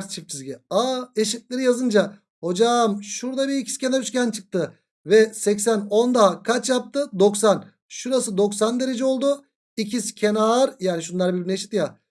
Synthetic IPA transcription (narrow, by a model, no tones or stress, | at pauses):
st͡ʃʰip̚t͡ʃʰizɟiaeʃit̪̚lʲeɾijazɯnd͡ʒa | ho̞d͡ʒamʃuɾd̪abiicʰi̥scʰe̞naɾyt͡ʃcʲænt͡ʃʰɯk̚t̪ʰɯ | vɛsɛcsæno̞nd̪aɦakʰat͡ʃjap̚t̪ʰɯd̪o̞ksan | ʃuɾasɯd̪o̞ksand̪e̞ɾe̞d͡ʒɛo̞lˠd̪u | icʰiscʰe̞naːɾjaːniʃ̬unlˠaɾbiɾbineʃi̥t̪ja